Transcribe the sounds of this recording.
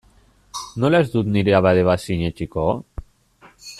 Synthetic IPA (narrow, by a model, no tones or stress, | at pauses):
nolazd̪ut̪niɾeaβaðeβasiɲet͡ʃiko